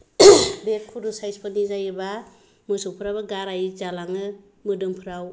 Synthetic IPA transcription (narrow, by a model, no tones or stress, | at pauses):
bet̚kʰuɾusajspʰɯnizajɯba | mɯsuŋpʰɯɾawbaɡaɾajzalaŋɯ | mɯdɯmpʰɯɾaw